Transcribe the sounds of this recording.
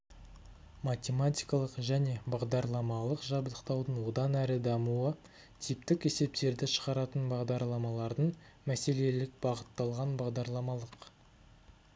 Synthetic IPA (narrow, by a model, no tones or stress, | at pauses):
mat̪ʲe̞mat̪ʲijkɑlˠəqʒæne̞bɑʁd̪ɑɾlˠɑmɑlˠəqʒɑbd̪əqt̪ɑwd̪ənwo̞d̪ɑnæɾɪd̪ɑmuə | t̪ʰip̚t̪ɪke̞se̞p̚t̪e̞ɾd̪ɪʃə̥ʁɑɾɑt̪ənbɑʁd̪ɑɾlˠɑmɑlˠɑɾd̪əɴ | mæse̞le̞lɪk̚bɑʁət̪ːɑlˠʁɑnbɑʁd̪ɑɾlˠɑmɑlˠəq